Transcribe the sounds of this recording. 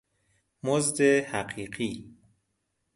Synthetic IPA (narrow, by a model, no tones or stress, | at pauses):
mozd̪ehæɢiːɢiː